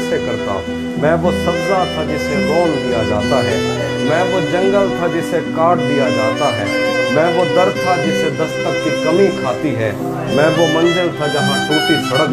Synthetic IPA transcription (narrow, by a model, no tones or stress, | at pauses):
ʃekɐɾt̪ʰa̰ | mɛ̃ːʋosʰɐbzat̪ʰad͡ʒɪseɡɔːnd̪ijad͡ʒa̰ːt̪aɦɛː | mɛ̃ːʋod͡ʒɐ̃ŋɡəlt̪ʰad͡ʒɪsekaːʈd̪ijad͡ʒaːt̪aɦɛːmɛ̃ːʋod̪ɐɾt̪ʰad͡ʒɪsed̪ɐst̪əkikɐmĩkʰaːt̪iɦɛ̰ː | mɛ̃ːʋomɐ̃nɖ̪əlt̪ʰad͡ʒɐɦãtuːʈ̪ibʱɐɽək